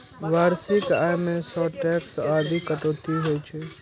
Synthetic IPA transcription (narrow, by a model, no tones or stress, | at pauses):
ʋaːɾsɪkaːjmẽsɔːʈɛːksaːd̪ikəʈ̪oːt̪iɦojt͡ʃʰe